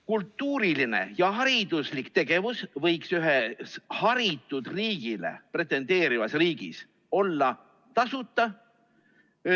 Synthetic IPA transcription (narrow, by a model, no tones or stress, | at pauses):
kult̪ːˑuːɾiline̞̰jɑɦɑɾid̪̥uslikt̪e̞ɡ̥e̞vusvɤjksyɦeshɑɾit̪ːˑud̪̥riːɡ̥ile̞̰pre̞t̪ːˑe̞nd̪̥e̞ːɾivɑsriːɡ̥ḭs | o̞lːɑ | t̪ɑsut̪ːˑɑ